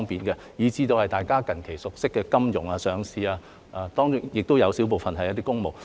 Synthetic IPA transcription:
ŋpiː˨nkɛ˧ | jiː˨˧t͡siː˧t̪o˧whɐ˨jt̪aː˨jkaː˥kɐ˨nkʰe˨˩jsʊ˨k̚sɪ˥kːɛː˧kɐ˥mjʊ˨˩ŋaː˧sœː˨˧ŋsiː˧aː˧ | ʔaː˧t̪ɔː˥ŋʊ˥jɪ˨k̚t̪o˥wjɐ˨˧wsi˨˥wp̬o˨wfɐ˨nɦɐ˨jɐ˥t̪i˥kːʊ˥ŋmo˨w

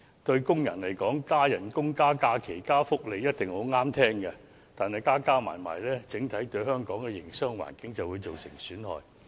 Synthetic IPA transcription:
t̪ɵ˧ɥkʊ˥ŋjɐ̰˨˩nlɐ˨˩jkɔː˨˥ŋkaː˥jɐ˨˩nkʊ˥ŋkaː˥kaː˧kʰe˨˩jkaː˥fʊ˥k̚le˨˧jɐ˥t̚t̪ɪ˨ŋho˨˥wŋaː˥mt̪ʰɛː˥ŋkɛ˧ | t̪aː˨˩nhɐ˨˩jkaː˥kaː˥ma̰ː˨˩jma̰ː˨˩jlɛː˥t͡sɪ˨˥ŋt̪ʰɐ˨˥jt̪ɵ˧ɥhœː˥ŋkɔː˨˥ŋkɛ˧jɪ˨˩ŋsœː˥ŋwa̰ː˨˩nkɪ˨˥ŋt͡sɐ˨wuː˨˧jt͡so˨wsɪ̰˨˩ŋsyː˨˥nhɔ̰ː˨j

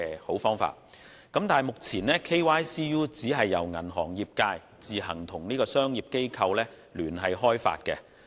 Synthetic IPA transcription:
ho˨˥wfɔː˥ŋfa̰ː˧t̚ | kɐ˨˥mt̪aː˨jmʊ˨k̚t͡sʰiː˨˩nɛː˥kʰe˥jwaː˥jsiː˥juː˥t͡siː˨˥ɦɐ˨jːɐ˨˩wŋɐ˨˩nɦɔː˨˩ŋjiː˨p̚kaː˧j | t͡siː˨˩ɦɐ˨˩ŋt̪ʰʊ˨˩ŋniː˥kɔː˧sœː˥ŋjiː˨p̚ke˥jkʰɐ˧wlɛː˥ | lyː˨˩nɦɐ˨jɦɔː˥jfa̰ː˧t̚kɛ̰ː˧

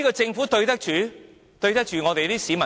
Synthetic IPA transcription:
iː˥kɔ˧t͡sɪ˧ŋfuː˨˥t̪ɵ˧ɥt̪ɐ˥k̚t͡ʃyː˨˥ | t̪ɵ˧ɥt̪ɐ˥k̚t͡ʃyː˨ŋɔː˨˧t̪e˨jt̪iː˥siː˨˧mɐ˨

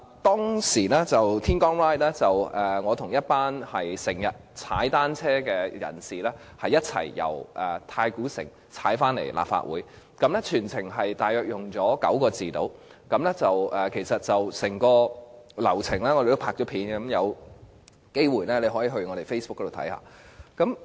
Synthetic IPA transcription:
t̪ɔː˥ŋsiː˨˩lɛː˥t͡sɐ˨wt̪ʰiː˥nkɔː˥ŋɹaː˥jt̚lɛ˥t͡sɐ˨wʔɛː˨ŋɔː˨˧t̪ʰʊ˨˩ŋjɐ˥t̚paː˥nhɐ˨jsɪ˨˩ŋjɐ˨t̚t͡sʰaː˨˥jt̪aː˥nt͡sʰɛː˥kɛː˧jɐ̰˨˩nsiː˨˩lɛː˥ | hɐ˨jɐ˥t̚t͡sʰɐ̰˨˩jːɐ̰˨˩wʔɛː˨˩t̪ʰaː˧jkuː˨˥sɪ̰˨˩ŋ | t͡sʰa̰ː˨˥jfaː˥nlḛ˨˩jlʔa̰˨p̚fa̰ː˧t̚wuː˨˥j | kɐ˨˥mlɛ˥t͡ʃʰyː˨˩nt͡sʰɪ˨˩ŋɦɐ˨jt̪aː˨jœː˨˧k̚jʊ˨ŋt͡sɔː˨˥kɐ̰˨˥wkɔː˧t͡siː˨t̪o̰˨˥w | kɐ˨˥mlɛ˥t͡sɐ˨wʔɛː˨kʰe˨˩jsɐ˨t̚t͡sɐ˨wsɛ˨˩ŋkɔː˧lɐ˨˩wt͡sʰɪ˨˩ŋlɛː˥ŋɔ˨˧de˨˩t̪o˥pʰaː˧k̚t͡ʃɔː˨˥pʰiː˨˥nɐ˨˦mjɐ˨˧w | ke˥jwuː˨˩jlɛ˥le˨˧ɦɔː˨˥jiː˨˥ɦɵ˧ɥŋɔː˨˧ɾe˨˩jfe˥spʊ˥kːɔ˨˧˥o˨wt̪ʰɐ̰˨˥jha̰ː˧˩kɐ˨˥m

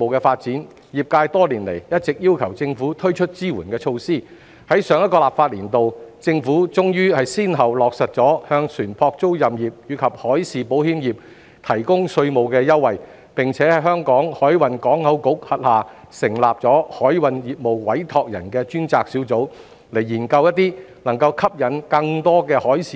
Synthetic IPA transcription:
mo˨wkɛː˧faː˧t̚t͡siː˨˥n | jiː˨p̚kaː˧jt̪ɔː˥liː˨˩nle˨˩jjɐ˥t̚t͡sɪ˨k̚jiː˥wkʰɐ˨˩wt͡sɪ˧ŋfuː˨˥t̪ʰɵ˥ɥt͡ʃʰɵ˥t̚t͡siː˥wuː˨˩nkɛː˧t͡ʃʰo˧wsiː˥ | hɐ˨˥jsœː˨˧ŋjɐ˥tkɔː˧laː˨p̚faː˧t̚liː˨˩nt̪o˨wt͡sɪ˧ŋfuː˨˥t͡sʊ˥ŋjyː˥hɐ˨jsiː˥nɦɐ˨wlɔː˨k̚sɐ˨t̚t͡sɔː˨˥hœː˧ŋsʰyː˨˩npʰɔː˧k̚t͡so˥wjɐ˨mjiː˨p̚jyː˨˧kʰɐ˨p̚hɔː˨˥jsiː˨po˨˥whiː˥mjiː˨p̚ | t̪ʰɐ˨˩jkʊ˥ŋsɵ˧ɥmo˨wkɛː˧jɐ˥wːɐ˨˩j | pɪ˨ŋt͡sʰɛː˨˥hɐ˨˩jɦœː˥ŋkɔː˨˥ŋhɔː˨˥jwɐ˨˧nkɔː˨˥ŋhɐ˨˥wkʊ˨˥k̚hɐ˨t̚haː˨˩ | sɪ˨˩ŋlaː˨p̚t͡sɔː˨˥hɔː˨˥jwɐ˨njiː˨˩p̚mo˨˩wwɐ˨˥jt̪ʰɔː˧k̚jɐ̰˨˩nkɛː˧t͡ʃyː˥nt͡saː˧k̚siː˨˥wt͡so˨˥w | le˨˩jːiː˨˩nkɐ˧wjɐ˥t̚t̪iː˥nɐ˨˩ŋkɐ˧wkʰɐ˥p̚jɐ˨˥nkɐ˧ŋt̪ɔː˥kɛː˧hɔː˨˥jsiː˨

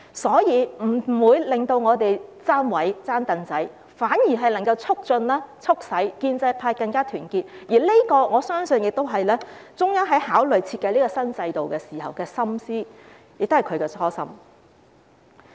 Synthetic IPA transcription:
sɔː˨˥jiː˨˧m̩˨˩˨wuː˨˧jlɪ˨˩ŋt̪o˧wŋɔː˨˧t̪e˨jt͡saː˥nwɐ˨˥jt͡saː˥nt̪ɐ˨˧nt͡sɐ˨˥j | faː˨˥njiː˨˩ɦɐ˨jnɐ˨˩ŋkɐ˧wt͡sʰʊ˥k̚t͡sɵ˧nlaː˥t͡sʰʊ˥k̚sɐ˨˥jkiː˧nt͡sɐ˧jpʰaː˧jkɐ˧ŋkaː˥t̪ʰyː˨˩nkiː˧t̚jiː˨˩li˥kɔː˧ŋɔː˨˧sœː˥ŋsɵ˨˧njɪ˨k̚t̪o˥wɦɐ˨jlɛː˥ | t͡sʊ˥ŋjaː˥ɦɐ˨˥jhaː˨˥wlɵ˨˩ɥt͡sʰiː˧t̚kːɐ˧jliː˥kɔː˧sɐ˥nt͡sɐ˧jt̪o˨wkɛː˧siː˨˩hɐ̰˨˩wkɛː˧sɐ˥msiː˥ | jɪ˨k̪̚o˥hjkʰɵ˨˧kɛː˧t͡sʰɔː˥sɐ̰˥m

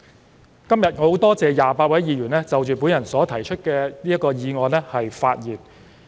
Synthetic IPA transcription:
kɐ˥mjɐ˨t̚ŋɔ˨˧˨wt̪ɔː˥t͡sɛː˨˧jaː˨˩paː˧t̚wɐ˨˥jjiː˨˧jyː˨˩nlɛː˥t͡sɐ˨wt͡ʃyː˨pu˨˥njɐ˨˩nsɔː˨˥t̪ʰɐ˨˩jt͡ʃʰɵ˥t̚kɛː˧niː˥jɐ˥tkɔː˧jiː˨˧ŋɔː˨˧nlɛ˥hɐ˨jfaː˧t̚jiː˨˩n

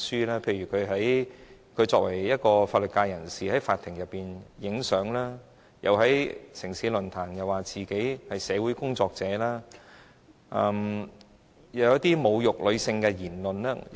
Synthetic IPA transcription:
syː˥laː˥pʰe˧jɥyː˨˩kʰɵ˨˧ɥɦɐ˨˥jkʰɵ˨˧t͡sɔː˧k̚wɐ˨˩jjɐ˥t̚kɔː˧faː˧t̚lɵ˨˩t̚kaː˧jɐ˨˩nsiː˨hɐ˨˥jfaː˧t̪ʰɪ˨˩ŋjɐ˨pːiː˨njɪ˨˥ŋsœː˨˥ŋlaː˥ | jʔɐ˨wɦɐ˨˥jsɪ˨˩ŋsiː˨˥lɵ˨˩nt̪ʰaː˨˩ŋjɐ˨˩waː˨˩t͡siː˨ke˨˥jhɐ˨jsɛː˨˧wuː˨˥jkʊ˥ŋt͡sɔː˧k̚t͡sɛː˨˥laː˥ | ʔɐ˧m | jɐ˨˩wjɐ˥t̪iː˥mo˨˧wjʊ˨k̚lɵ˨˧ɥsɪ˧ŋkɛ˧jiː˨˩nlɵ˨nlɛː˥

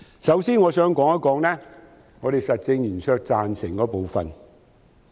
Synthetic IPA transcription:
sɐ˨˥wsiː˥nŋɔː˨˧sœː˨˥ŋkɔː˨˥ŋɐ˥kɔː˨˥ŋlɛː˥ | ŋɔː˨˧ɾe˨jsɐ˨t̚t͡sɪ˧ŋjyː˨˩nsʰœː˧k̚t͡saː˨nsɪ˨˩ŋkɔː˨˥po˨˧wfɐ̰˨n

